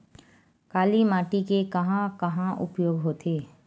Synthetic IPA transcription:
kaːlimaːʈikekɐɦãkɐɦãʔʊ̰pjoːɡɦoːt̪ʰeː

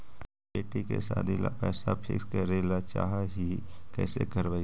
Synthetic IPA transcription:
eːʈikḛsaːd̪ʱila̰pɛːsapʰɪ̰skeɾelat͡ʃa̰ːɦaɦikɛ̰ːsekəɾbə

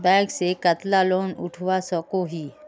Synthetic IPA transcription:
bɛ̃ːksekət̪laloːnʊ̰ʈʰʋasɔkoɦiː

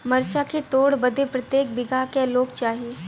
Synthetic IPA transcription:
mɐɾt͡ʃaket̪oːɽbɐd̪ʱepɾɐt̪jeːk̚bɪɡʱakeloːkt͡ʃaːɦieː

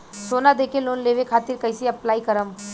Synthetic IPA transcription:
soːnad̪eːkʰeloːnleːʋekʰaːt̪ɪɾkɐɪsiɐplaːikəɾəm

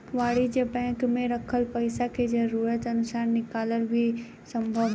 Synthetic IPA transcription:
ʋaːɽid͡ʒəbɛ̃ːŋkmẽɾɐkʰəlpɐɪsaked͡ʒɐɾuːɾət̪ɐnʊsaːnnːɪkaːləlbʱi | sə̃mbʱəʋ

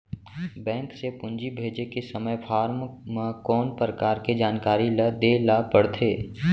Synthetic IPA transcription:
bɛ̃ːŋksepʊ̃nd͡ʒibʱeːd͡ʒekesəməjpʰaːɾmməkɔːnpɾəkaːɾked͡ʒaːnkaːɾiləd̪eːlapəɽt̪ʰeː

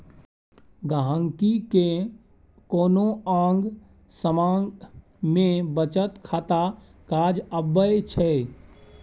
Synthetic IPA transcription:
ɡaɦəŋkike | koːnoãːŋɡ | səmaːŋɡ | mẽbət͡ʃət̪kʰaːt̪a | kaːd͡ʒəbːəjt͡ʃʰɛ

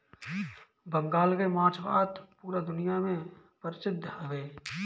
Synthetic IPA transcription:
bə̃ŋɡaːlkemãːt͡ʃʰbaːt̪puːɾad̪ʊnijamẽ | pəɾɪsɪd̪ʱːhəʋeː

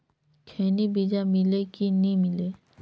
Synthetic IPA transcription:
kʰeːnibid͡ʒamɪlekinimɪle

